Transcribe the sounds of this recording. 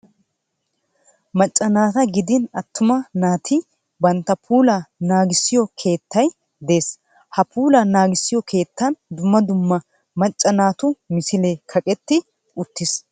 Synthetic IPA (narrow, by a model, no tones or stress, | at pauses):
mɐt͡ʃʼːɐnaːt̪ɐɡɪd̪ɪnɐt̪ːʊmɐnaːt̪ʰɪ | bɐnt̪ːɐpʰuːlɐnaːɡɪsːɪjɔkʰe̞ːt̪ːɐj | d̪e̞ːs | hɐpʰuːlɐnaːɡɪsːɪjɔkʰe̞ːt̪ːɐnd̪ʊmːɐd̪ʊmːɐ | mɐt͡ʃʼːɐnaːt̪ʊmɪsɪlekʰɐkʼɛt̪ːɪ | ʊt̪ːɪs